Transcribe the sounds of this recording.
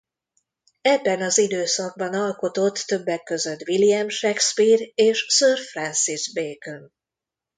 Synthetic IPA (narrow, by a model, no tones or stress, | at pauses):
ɛbːɛnɒzid̪øːsɒɡ̚bɒnɒlko̞t̪o̞t̪ːø̞bːɛkːø̞zø̞t̪ːʋilijɛmʃɛkspiːreːʃsørfrɛnsizbeːkøn